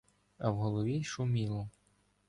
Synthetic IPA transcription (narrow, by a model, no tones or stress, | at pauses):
ɐwɦɔlˠɔʋʲiʃʊmʲilˠɔ